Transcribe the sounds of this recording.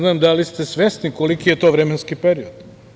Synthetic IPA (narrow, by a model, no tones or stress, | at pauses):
naːmd̪alist̪esʋesnikolikijet̪oːʋɾemenskipeɾiod̪